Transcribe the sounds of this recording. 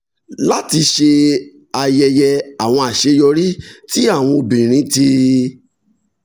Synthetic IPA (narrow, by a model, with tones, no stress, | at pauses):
la˦ti˧ʃe˧ | a˧jɛ˧jɛ˧a˨w̃ɔ̃˧a˨ʃe˧˦jɔ˧ɾi˦ti˦a˦˨w̃ɔ̃˧o˧bĩ˨ɾ̃ĩ˨˦ti˧